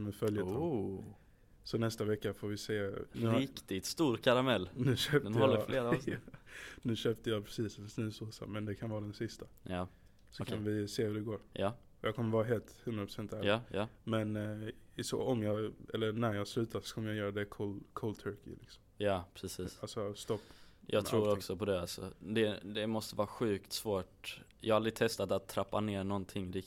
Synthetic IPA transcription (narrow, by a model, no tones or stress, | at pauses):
mɛfœljət̪ | sɔnɛst̪avɛkːafoːɾvɪseːnʉːɾɪkt̪ɪt̪st̪uːɾkʰaɾamɛlːnʉ̟ːʃøːp̪əɔlːəleːɾ | nʉ̟ːɕøːp̚t̪əjɑpʰɾɛsiːsfsnʉːsuːsa̰mɛnd̪ɛkʰanvɑːd̪ɛnsɪst̪aj | sɔkʰnvɪseːhʉd̪ɛɡoːɾ | jɑːkʰɔmːəɾvɑːɾaɦeːlt̪hɵnd̪ɾapɾ̥ʊ̥sɛnt̪æɾɑːmɛnɪsɔ̰ɔmjɑɛlːənæɾjɑːɡslʉ̟ːt̪ʰasɔ̥kʰɔmːəjɑjœːɾad̪ɛkʰɔlkʰɔlt̪ʰœɾkɪ̰lɪ̰ksɔ̥mjɑːpʰɾɛsiːsalsɔst̪ɔpːjʔɑ̰ɡt̪ʰɾuːɾɔksɔpʰɔd̪ɛalsɔ̰d̪ɛd̪ɛmɔst̪əvɑːɾaɧʉ̟ːkt̪svoːʈjɑ̰ːhaald̪ɾɪt̪ʰɛst̪at̪at̪ʰːɾapːaneːɾɳɔnt̪ʰɪŋːɾɪk